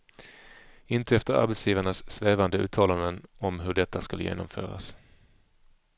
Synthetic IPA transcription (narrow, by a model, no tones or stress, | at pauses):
ɪnt̪əɛft̪əɾa̰ɾbet̪sjiːvaɳasːveːvand̪əʉ̟ːt̪ʰɑːland̪ənɔmɦɵɖɛt̪ːaskaljḛːnɔmfœ̰ːɾa̰s